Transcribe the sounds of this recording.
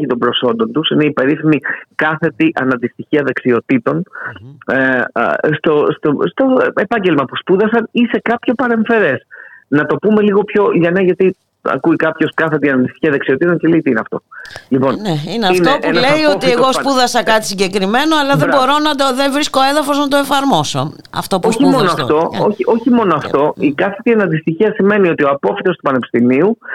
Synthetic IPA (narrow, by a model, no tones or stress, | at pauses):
it̪ombɾo̞so̞nd̪o̞nt̪usine̞ipe̞ɾiθimikɐθe̞t̪iʔɐ̰nɐnd̪ist̪içiɐðeksio̞t̪it̪o̞n | st̪o̞st̪ost̪o̞epɐɲɟelmɐpuspuðɐsɐnise̞kɐpço̞pɐɾe̞ɱfe̞ɾe̞snɐt̪o̞pume̞liɣo̞pço̞ʝɐnɐʝɐt̪i | ɐ̰kuikɐpço̞skɐθe̞t̪iɐnɐnd̪ist̪i̥çiɐðeksio̞t̪it̪oɲceleit̪iineɐft̪o̞̰lipo̞nneineɐifnt̪opunleiot̪ieɣo̞spuðɐsɐkɐt̪i̥siɲɟe̞kɾime̞no̞ɐlɐðebo̞ɾo̞nɐd̪oðevɾiskoe̞ðɐfo̞znɐt̪oe̞fɐɾmo̞so̰ | ɐ̰ft̪opoçimo̞noɐft̪o̞oçiʔo̞çimo̞noɐft̪o̞ikɐθet̪ienɐnd̪ist̪içiɐsime̞nio̞t̪ioɐpo̞fit̪o̞st̪upɐnepi̥st̪imiu